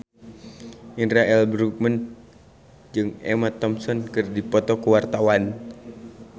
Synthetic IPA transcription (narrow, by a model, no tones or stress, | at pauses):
ʔinɾaʔɛlbɾuk̚mən | d͡ʒɨŋɛ̰mat̪ɔmsɔnkɨrdipɔt̪ɔkuwart̪awan